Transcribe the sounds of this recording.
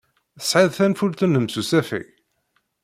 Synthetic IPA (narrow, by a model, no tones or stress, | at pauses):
əsʕiðθænfuɾθənəmsusæfḭ